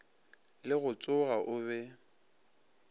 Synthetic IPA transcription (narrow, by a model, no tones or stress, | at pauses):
lɪɣʊt͡sʼʊɣaʔʊβɛ